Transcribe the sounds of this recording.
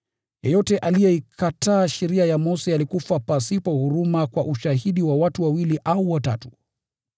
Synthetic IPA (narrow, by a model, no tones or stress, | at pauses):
jɔjɔtɛʔalijɛikʰataːʃiɾiajamɔsialikufapasipɔhuɾumakwaʔuʃahiɗiwawatuwawiliʔauwata̰tu̥